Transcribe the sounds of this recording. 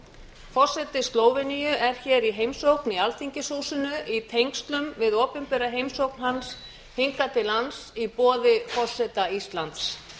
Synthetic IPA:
fɔsɛt̪ɪst̪loːwvɪnijʏʔɛɾ̥çɛːɾiɦejmsowknialθiɲcɪsuːsʏnʏʔit̪ʰejŋkst̪lʏmvɪðɔːpʏmpɛɾaɦejmsowknɦans | hiŋkat̪ʰɪlansipɔːðɪfɔ̥sɛt̪aist̪lant̪s

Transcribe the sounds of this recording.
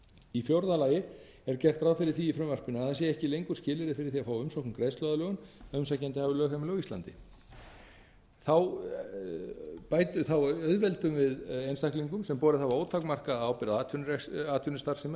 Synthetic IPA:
ifjowɾðalaːjɪ | ɛɾcɛr̥t̪ɾaːwfɪɾɪɾ̥θiifɾœmvar̥pʏnʏaðθasjɛɛhcɪlejŋkʏ̥scɪːlɪɾɪfɪɾɪɾ̥θiafaːwʏmsɔhkʏmkɾeːjslɔwðalœːɣʏnœmsacant̪ɪhavʏlœːɣhamlœɣisa̰nt̪ɪ | θaw | paːjt̪ʏθawœðvɛlt̪ʏmvɪðejnst̪ahkliŋkʏmsɛmpɔːɾɪθawvaoːwt̪ʰakmar̥kaaːwpɪɾaðaːt̪ʰʏnɾɛaːt̪ʰʏnɪst̪aɾ̥sɛma

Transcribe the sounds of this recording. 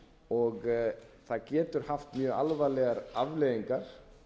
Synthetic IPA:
ɔɣθaðcɛːt̪ʏɾ̥haft̪mjœːalvalɛɣaɾavleɣiŋkaɾ̥

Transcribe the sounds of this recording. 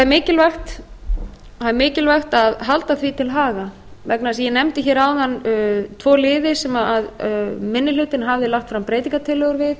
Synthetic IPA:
haðmɪːcɪlvaxt̪ | haðmɪːcɪlvaxt̪aðɦalt̪aθvit̪ʰɪlɦaːɣa | vɛknasjɛnɛmt̪ɪçɛːɾawðanːt̪ʰvɔːlɪːðɪsɛmaaðmɪnːɪlʏt̪ɪnɦavðɪlaxt̪fɾampɾeːjt̪iŋkat̪ʰɪlːɛɣʏɾvɪð

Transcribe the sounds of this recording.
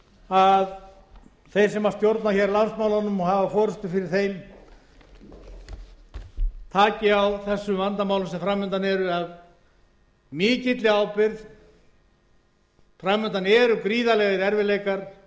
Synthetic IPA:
að | θejɾ̥sɛmaɾ̥st̪jowɾt̪naçɛɾlansmaːwlanʏmɔhavafɔːɾʏst̪ʏfɪɾɪɾ̥θejm | t̪ʰaːcɪawθɛsːʏmvant̪amawlʏmsɛfɾamːʏnt̪anɛɾʏað | mɪːcɪt̪lɪaːwpɪɾð | fɾamːʏnt̪anɛɾʏkɾiːðalɛɣɪɾɛɾvɪleːjkaɾ̥

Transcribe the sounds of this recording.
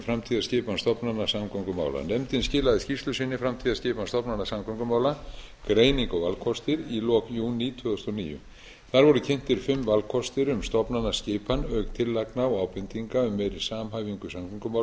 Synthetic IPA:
fɾamt̪ʰiːðascɪːpanst̪ɔpnanːasamkʰœŋkʏma̰ːwla̰nɛmt̪ɪnscɪːlaðɪscist̪lʏsɪnːɪfɾamt̪ʰiːðascɪːpanst̪ɔpnanːasamkʰɔŋkʏmaːwlakɾeːjniŋkɔvalkʰɔst̪ɪɾilɔːkjuːnit̪ʰvʏðɔst̪ɔnḭːjʏ̰ | θaɾvɔɾʏcʰɪn̥t̪ɪɾ̥fɪmːvalkʰɔst̪ɪɾʏmst̪ɔpnanːascɪːpanœːkt̪ʰɪlːajknaɔaːwpɪnt̪iŋkaʏmːɛjɾɪ̥saːmɦajviŋkʏsamkʰʏŋkʏma

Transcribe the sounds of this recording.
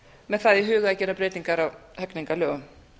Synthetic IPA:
mɛðθaðiɦʏːɣʏacɛːɾapɾeːjt̪niŋkaɾawhœkniŋkalœːɣʏm

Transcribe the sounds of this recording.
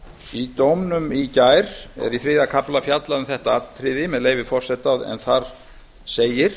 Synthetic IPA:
it̪owmnʏmicaːjɾ̥ɛ̰ɾiθɾɪːðakʰaplafjat̪laʏmθɛht̪aat̪θɾɪðɪmɛðleːjvɪfɔr̥sɛt̪ːaðɛ̰nθaɾ | seːjɪɾ̥

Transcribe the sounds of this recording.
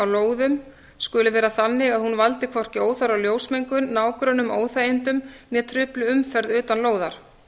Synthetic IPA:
awloːwðʏm | skʏlɪvɛːɾaθanːɪɣaðhunvalt̪ɪkʰvɔr̥cɪoːwθaɾawljoːwsmejŋkʏnaːwkɾœnʏmoːwθaːjɪnt̪ʏmnɛt̪ʰɾʏplʏʏmfɛɾðʏːt̪anloːwðaɾ̥

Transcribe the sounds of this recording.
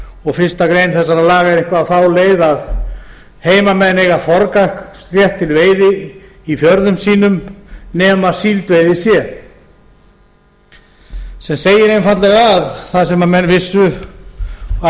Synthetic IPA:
ɔɣfɪr̥st̪akɾeːjnθɛsːaɾalaːɣaɪɾɪ̃ŋkvaːwθawleːjðað | heːjmamɛnːɪɣafɔɾkakrjɛht̪ʰːɪlveːjðɪ | ifjœɾðʏmsiːnʏmnɛːmasiːlt̪vejðɪsjɛ | sɛmseːjɪɾejmfat̪lɛɣaðθaðsɛmːamɛnːvɪsːʏ | a

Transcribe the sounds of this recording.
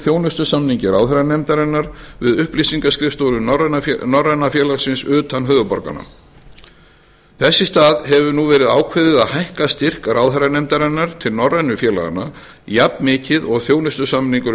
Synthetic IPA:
θjownʏst̪ʏsamniɲcɪɾa̰wθɛɾanɛmt̪aɾɛnːaɾvɪðʏhplisiŋkaskɾɪft̪owɾʏrnnɔrːɛnafjɛːlasɪnsʏːt̪anɦœːðʏpɔɾka̰nːa̰ | θɛsːɪst̪aːðɦɛvʏnuvɛːɾɪðaːwkʰvɪːðɪðaðhajhkast̪ɪr̥kaɾaːwθɛɾanɛmt̪aɾɛnːaɾ̥t̪ʰɪlnɔrːɛnːʏfjɛːla̰ɣa̰nːa | japmɪːcɪðɔɣθjownʏst̪ʏsamniŋkʏɾ

